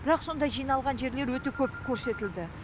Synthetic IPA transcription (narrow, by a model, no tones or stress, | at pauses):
bɪɾɑqso̞nd̪ɑjʒijnɑlˠʁɑnʒe̞ɾle̞ɾwɵt̪e̞kʲʰɵp̚kʲʰɵɾse̞t̪ɪld̪ɪ